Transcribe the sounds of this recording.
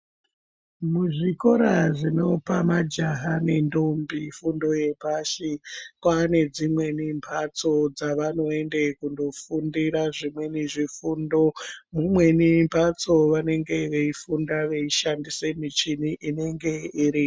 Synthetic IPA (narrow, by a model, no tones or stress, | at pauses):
muʐiko̞ɾaʐino̞pamad͡ʒaɦane̞ndo̞mbifundo̞je̞paʃikwane̞d͡zimwe̞nimpʰat͡so̞d͡zaʋano̞e̞nde̞kundo̞fundiɾaʐimwe̞niʐifundo̞mumwe̞nimpʰat͡so̞ʋane̞ŋɡe̞ʋe̞ifundaʋe̞iʃandise̞mit͡ʃiniʔine̞ŋɡe̞iɾi